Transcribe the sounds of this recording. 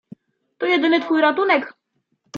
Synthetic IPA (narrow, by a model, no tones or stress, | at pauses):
t̪ɔjɛd̪ɘnɘt̪fujɾat̪unɛk